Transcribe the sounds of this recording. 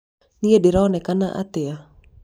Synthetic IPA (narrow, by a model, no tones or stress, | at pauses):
niediɾɔnɛkanaʔa̰t̪ɪa